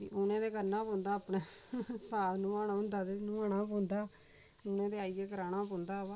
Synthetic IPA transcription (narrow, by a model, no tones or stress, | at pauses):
ḭʔʊnẽːd̪eːkəɾnãːpõːnd̪aːpneːsaːnũːaːnãːʊ̃nd̪aːd̪enũːaːnaːpõːnd̪aː | ʊnẽːd̪eːaːijeːkəɾaːnãːp̬õːnd̪aːa